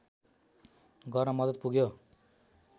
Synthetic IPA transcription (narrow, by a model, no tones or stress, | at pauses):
ɡʌrnʌmʌd̪ʌt̪̚puɡjo